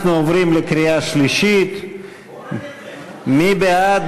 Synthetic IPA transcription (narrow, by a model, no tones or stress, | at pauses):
nuovɾimlekɾijaʃliʃit̪ | mibead̪